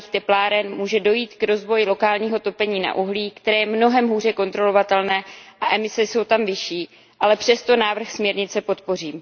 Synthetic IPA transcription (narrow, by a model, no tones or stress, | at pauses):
iːxt̪ɛplaːɾɛnmuːʒɛdo̞jiːt̪kɾo̞zvo̞jɪlo̞kaːlɲiːɦo̞t̪o̞pɛɲiːna̰ʔuɦliːkt̪ɛɾɛːjɛmno̞ɦɛmɦuːr̝ɛko̞nt̪ɾo̞lo̞vat̪ɛlnɛːʔaʔɛmɪsɛso̞wt̪amvɪʃiː | ʔalɛpr̝̥ɛst̪o̞naːvr̩xsmɲɛɾɲɪt͡sɛpo̞t̪po̞r̝iːm